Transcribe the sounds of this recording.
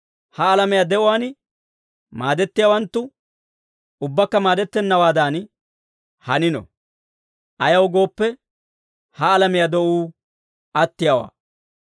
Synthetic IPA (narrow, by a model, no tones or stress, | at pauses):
hɐːlɐmɪjaːd̪ɛʔʊwaːn | maːd̪ɛt̪ːɪjawɐnt̪ːʊ | ʊbːɐkːɐmaːd̪ɛt̪ːɛnːɐwaːd̪an | hɐnɪnɔ̰ | ʔɐjɐwɡo̞ːpːɛ | hɐːlɐmɪjad̪ɔʔuː | ʔɐt̪ːɪjɐwa̰ː